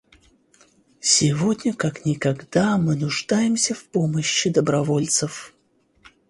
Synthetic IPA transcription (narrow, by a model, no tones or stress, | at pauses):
sʲɪvo̞dʲnʲəkaknʲɪkɐɡd̪amɨnʊʐd̪ajɪmsʲəfpoməɕːɪd̪əbɾɐvo̞lʲt̪səf